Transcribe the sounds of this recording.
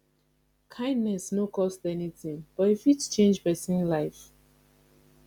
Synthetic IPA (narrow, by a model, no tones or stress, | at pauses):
kʰãɪ̃ndnɛsnokʰɔstɛnitĩŋb̥ɔtifitt͡ʃẽnd͡ʒpɛsĩnlaɪf